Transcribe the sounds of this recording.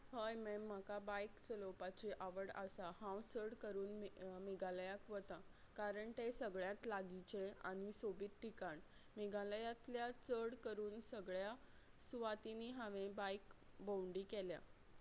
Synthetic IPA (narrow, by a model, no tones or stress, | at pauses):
həjmem̤ːakabajkt͡səlopat͡ɕiʔaʋəɽa̰sahãwt͡səɽkəɾuːnmiɡaləjakʋət̪a | kaɾəɳʈ̪esəɡɭjãt̪laɡit͡ɕea̰ɽ̃isobiːt̪ʈikaɳ | miɡaləjat̪ljat͡səɽkəɾuːnsəɡɭja | suʋat̪iniɦaʋẽbajkbowɳɖiːkelja̰